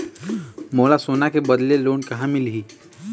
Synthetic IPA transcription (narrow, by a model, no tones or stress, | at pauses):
moːlasoːnakebəd̪leloːnkɐɦãmɪlɦiː